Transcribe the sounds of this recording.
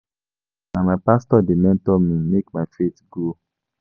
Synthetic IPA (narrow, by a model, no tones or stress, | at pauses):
namapastɔdemɛ̃ntɔmimekmatɹetɡo